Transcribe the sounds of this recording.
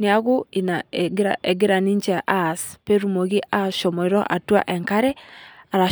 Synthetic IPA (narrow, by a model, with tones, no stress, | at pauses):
niaɣui˨naɡɾaʔɛɡi˦ɾa˨ni˦ɲt͡ʃɛʔaspɛ˦ɾumo˨ɣi˦ʔa˦ʃɔ˨mɔ˨iɾɔʔa˨twa̰˦ʔɛŋka˦ɾɛa˨ɾa˨